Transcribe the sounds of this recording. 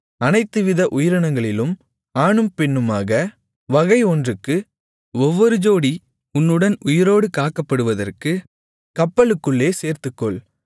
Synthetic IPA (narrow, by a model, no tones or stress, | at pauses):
ɐnɐɪt̪ːɯʋɪðɐʔʊjɪɾɐɳɐŋɡɐɭɪlɯm | aːɳɯmpɛɳːɯmaːɣɐ | ʋɐɣɐɪɔndrɯkːɯ | ɔʋːɔɾɯd͡ʒoːɽi | ʊnːɯɽɐnʊjɪɾoːɽɯkaːkːɐpːɐɽɯʋɐðɐ̰rkɯ | kɐpːɐɭɯkːɯɭːeːseːɾt̪ɯkːɔɭ